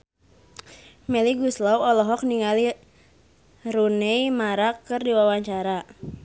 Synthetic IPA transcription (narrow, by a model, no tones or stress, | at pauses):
mɛliɡuslawɔlɔɦɔk̚niŋali | runɛjmaɾakːɨrdiwawaɲt͡ʃaɾa